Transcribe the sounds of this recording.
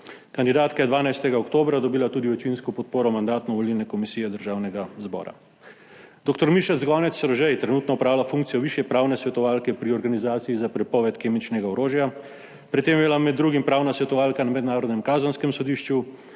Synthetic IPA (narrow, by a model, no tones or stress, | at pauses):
kand̪id̪aːt̪kajɛd̪ʋaːnajst̪ɛɡaɔkt̪oːbɾad̪ɔbiːlat̪uːd̪iɔt͡ʃinskɔpɔt̪̚poːɾɔmand̪aːt̪nɔʋɔlilnɛkɔmisiːjɛd̪əɾʒaːwnɛɡazbɔ̰ːɾa̰ | d̪oːkt̪ɔɾmiʃazɡɔnɛt̪sːɾɔʒɛjt̪ɾɛnuːt̪nɔɔpɾaːwlafũŋk̚t̪sijɔʋiːʃjɛpɾaːwnɛsʋɛt̪ɔʋaːlkɛpɾiɔɾɡanizaːt̪siizapɾɛpɔʋɛt̪keːmit͡ʃnɛɡaɔɾoːʒja | pɾit̪ːeːmjilamɛd̪ːɾuːɡimpɾaːwnasʋɛt̪ɔʋaːlkanamɛd̪naːɾɔd̪nɛmkaːzənskɛmsɔd̪iːʃt͡ʃu